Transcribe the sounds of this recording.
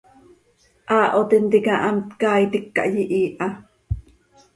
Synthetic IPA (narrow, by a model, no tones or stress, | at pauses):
ʔaːʔot̪int̪ikɑʔamt̪kaːjt̪ikːa̰ʔjiʔiːʔɑ